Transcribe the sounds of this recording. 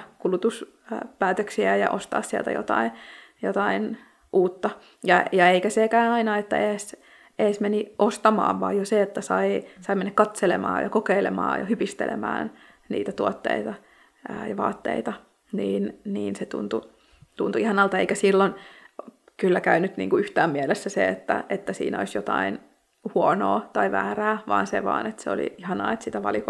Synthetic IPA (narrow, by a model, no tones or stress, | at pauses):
kulut̪us | pæːt̪øksiæjɑ̰ʔost̪ɑ̰ːssiæ̰lt̪æ̰jo̰t̪ɑ̰injot̪ɑin | ʔuːt̪ːɑ | jɑjɑeikæsekæːnɑinɑet̪ːæ̰eːs | ʔeːsmeniʔost̪ɑmɑ̰ːʋʋɑ̰ːjjoseet̪ːæsɑisɑimenːækɑt̪selḛmɑ̰ːjɑ̰kokeilḛmɑ̰ːjɑ̰hypist̪ḛlḛmæ̰ːn | nḭːt̪æt̪uɔt̪ːḛit̪ɑ | əjɑʋɑ̰ːt̪ːḛit̪ɑ | niːnniːnset̪ṵnt̪u | t̪unt̪uihɑnɑlt̪ɑeikæsilːon | kylːækæynyt̪nḭːŋkuyht̪æːmmiɛlesːæsḛet̪ːæ̰ʔet̪ːæsḭːno̰isjot̪ɑin | huono̰ːt̪ɑiʋæːræːʋɑ̰ːnsḛʋɑ̰ːnet̪seo̰lḭihɑnɑ̰ːet̪sit̪æʋɑ̰liko